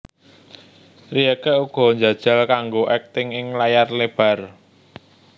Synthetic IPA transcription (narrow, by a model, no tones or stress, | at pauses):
riɛkɛʔuɡ̥ɔ̤ɲd͡ʒä̤d̥ʒ̥a̤lkaŋɡoʔɛk̚t̪ɪŋɪŋlajarleb̥a̤r